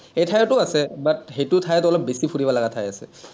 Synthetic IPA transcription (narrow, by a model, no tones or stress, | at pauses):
ejtʰajɔtʊasɛbat̚xetʊtʰajtʊɔlɔp̚besipʰuɹibalaɡatʰajasɛ̰